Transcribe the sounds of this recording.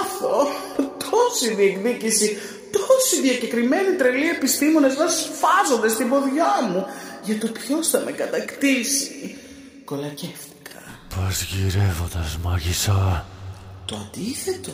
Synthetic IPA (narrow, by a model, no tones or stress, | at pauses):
fo | t̪ʰo̞siðie̞kðicisi | t̪osiðiɐce̞kɾime̞nit̪ɾe̞lie̞pist̪imo̞ne̞zmɐsfɐzo̞nd̪est̪ibo̞ðʝɐmuʝɐt̪o̞pço̞sθɐme̞kɐt̪ɐkt̪isi̥ | ko̞lɐce̞fti̥kʰɐ̥pɐzʝiɾevo̞nd̪ɐzmɐʝisɐ | t̪o̞ɐnd̪iθe̞t̪o